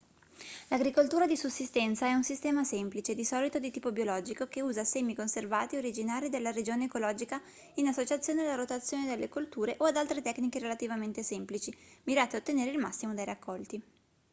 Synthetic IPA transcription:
laɡɾikolt̪uːɾad̪isusːist̪ɛnt̪saɛunsist̪ɛːmasɛmplit͡ʃed̪isɔːlit̪od̪it̪iːpobjolɔːd͡ʒikok̟euːzasɛmːikonservaːt̪ioɾid͡ʒinaːɾid̪elːaɾed͡ʒoːneːkolɔːd͡ʒika | inasːot͡ʃat̪sːjoːnealːaɾot̪at̪sːjoːned̪elːekolt̪uːɾeʔoad̪alt̪ɾet̪ɛknikeɾelat̪ivament̪esɛmplit͡ʃimiɾaːt̪eaot̪ːeneːɾeilmasːimod̪ejrakʰːɔlt̪i

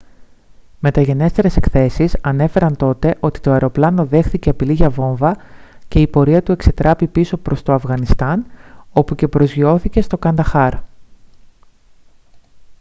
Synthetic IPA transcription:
me̞t̪ɐʝe̞ne̞st̪e̞ɾe̞se̞kθe̞sisɐne̞fe̞ɾɐnt̪o̞t̪e̞ʔo̞t̪i̥t̪o̞ɐeɾo̞plɐno̞ðe̞xθiceɐpiliʝɐvo̞ɱvɐce̞ipo̞ɾiɐt̪ue̞kse̞t̪ɾʔɐpipiso̞pɾo̞st̪o̞ɐfɣɐnist̪ɐno̞puce̞pɾo̞zʝio̞θice̞st̪o̞kɐnd̪ɐxɐɾ

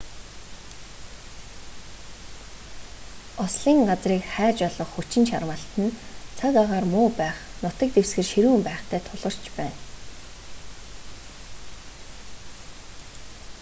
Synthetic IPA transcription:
ɔsɮiːŋɢat͡sriːkχæːt͡ɕɔɮɞ̆χːut͡ɕɪ̆nʃa̰rwə̆ːɬt̪ə̆nt͡sʰakaʁaːrmʊːpæːχnʊt̪ə̆k̚t̪ewsɡɘ̆rʃiɾuːmpæːχt̪ʰæːt̪ʰʊɮʁɞ̆r̥t͡ɕpæːn

